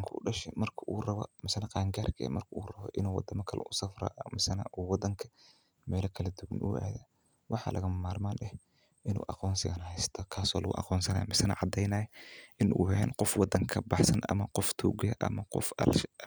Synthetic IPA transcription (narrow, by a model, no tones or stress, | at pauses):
ŋkʰɐʊɖɐʃɛmɐrkʰɐʔuːrɐβɔ̰mɪsɐnɐqɑːŋɡaːrkʰɐ̰mɐrkʰɐuːrɐβɔ̰ʔɪnuːwɑd̪ɐmɐkʰɐlɐ̰nʔʊsɐfrɐ̰ːʔɐmɪsɐnɐ̰ʔuːwɑd̪ɐŋkʰɐ̥ | mɛːlɐkʰɐlɐd̪uwɐ̰nʔṵɛ̰ːðɐ | wɑħɑ̰ːlʔɐɣɐmaːrmaːnɛh | ʔɪnṵːʔɑqɔːnsɪɣɐnhɛjst̪ʰɔkʰaːsɔ̰ːlɐɣʊ̰ʔɑ̰qɔːnsɐna̰ːjmɪsɐnɐʕɑd̪ɛjnɐːjʔɪnʔṵːhɛ̰ːnqɔfwɑd̪ɐŋkʰɐbɑħsɐnʔɐ̰mɐqɔft̪ʰuːɡɪjɐʔɐ̰mɐqɔ̰fɐ̰lʃ